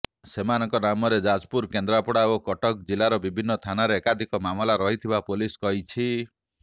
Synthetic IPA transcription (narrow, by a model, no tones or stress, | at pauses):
semanɔŋkɔnamɔɾed͡ʒad͡ʒpuɾkend̪ɾapɔɽaokɔʈɔk̚d͡ʒilaɾɔbibʱinːɔt̪ʰanaɾeːkad̪ʱikɔmamɔlaɾɔɦit̪ʰibapuliskɔɦit͡ʃʰi